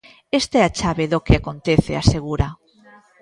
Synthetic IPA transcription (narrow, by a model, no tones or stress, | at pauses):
est̪ɛat͡ʃaβeðokeakont̪eθeaseɣ̞uɾa